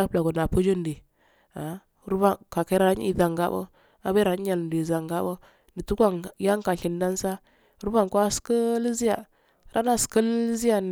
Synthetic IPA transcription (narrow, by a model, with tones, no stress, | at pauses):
a˦pla˨ɡo˨na˨pu˦d͡ʒo˦ndi˨ | a˨˦ | ɾu˦ba˨ka˨ke˦ɾa˨˦ɲ˦ḭ˨da˨ŋɡa̰˦bə̰˦ | a˦be˦ɾa˨˦ɲ˦a˨lndi˨za˨ŋɡa˦bə˦ | ni˨tu˦ɡa˦ŋ˨ja˦ŋka˨i˨nda˦n˦sa˦ | ɾu˦ba˨ŋko˦a˦skə˦li˦zi˦ja˨ | ɾʔa˦na˦skə˦lzi˦ja˨n